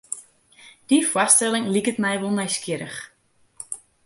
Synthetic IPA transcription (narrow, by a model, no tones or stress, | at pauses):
d̥ifwɔstɛlˠɪŋlikətmɛjʋolˠmɛjskjɪɾəx